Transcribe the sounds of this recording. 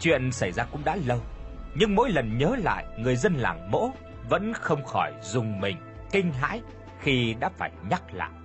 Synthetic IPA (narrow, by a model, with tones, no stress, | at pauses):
t͡ɕwḭ˧˨ənsa˧˩jzaː˧kʊ̰˧˥ŋ͡mɗa̰ː˧˥lə˧wɲɨ˧ŋmo̰˧˥jlə˨˩nɲəː˨˦la̰ː˧˨jŋɨ˨˩əjzə˧nla̰ː˨˩ŋmo̰˧˥ | və̰˧˥nxə˧wŋ͡mxɔ˧˩jzʊ˨˩ŋ͡mmï˨˩ŋ̟ | kï˧ŋ̟ɦa̰ː˧˥j | xi˧ɗa̰ː˧˥faː˧˩jɲa˦˥t̚la̰ː˧˨ʔ